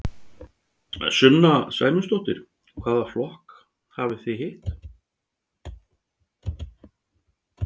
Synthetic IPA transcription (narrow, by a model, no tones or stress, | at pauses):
sʏnːasa̰ːjmʏst̪ɔwht̪ɪɾ̥ | kʰv̥aːðaflɔhk | haːvɪθejɦɪht̪